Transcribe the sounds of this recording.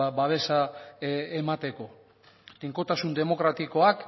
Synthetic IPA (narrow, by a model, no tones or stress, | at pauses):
baβ̞e̞sa | emat̪e̞ko̞ | d̪iŋko̞t̪asund̪e̞mo̞kɾat̪iko̞ak